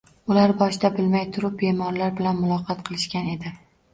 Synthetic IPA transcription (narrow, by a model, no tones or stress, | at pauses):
ʊlaɾbɒʃd̪abɪlmajt̪ʰʊɾʊp̚bemɒɾlaɾbɪlanmʊlˠɒqʰɑt̪̚qʰɨlˠɪʃkʲane̞d̪ɪ